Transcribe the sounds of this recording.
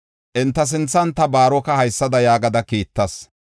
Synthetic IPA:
ʔɪnt̪ːɐs̬ɪnt͡sːɐnt̪ːɐbaːɾɔkɐhɐjsːɐd̪ɐjaːɡɐd̪ɐkiːt̪ːɐs

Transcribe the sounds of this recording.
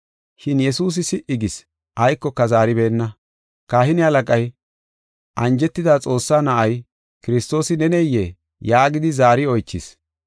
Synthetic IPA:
ʃɪnjɛsuːs̬ɪsɪʔɪɡɪs | ʔɐjkːɔkːɐzaːɾɪbe̞ːnːɐ | kaːhɪnɪɐlɐkʼɐj | ʔɐnd͡ʒɛt̪ːɪd̪aːt͡sʼo̞ːsːaːnɐʔɐj | kɪɾɪst̪o̞ːsɪnɛnɛjːe | jaːɡɪd̪ɪzaːɾɪɔjt͡ʃːɪs

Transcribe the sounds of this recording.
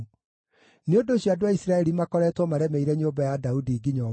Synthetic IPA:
neondoːɕjoadwaisɾaɛɾimakɔɾɛtwɔmaɾɛmeiɾɛɲombajadaudiːɡiɲɔ

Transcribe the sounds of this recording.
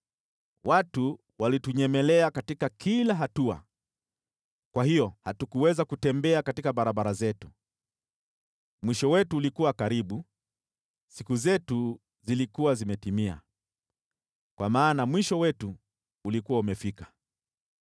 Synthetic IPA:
watu | walituɲɛmɛlɛakatikakilaɦatua̰ | kwahijɔhatukuwɛzakutɛmbɛakatikaɓaɾaɓaɾazɛtu̥ | mwiʃɔwɛtuːlikuwakaɾiɓu | sikuzɛtu | zilikuwazimɛtimia̰ | kwʔamaːnamwiʃɔwɛtuː | likuwaumɛfikḁ

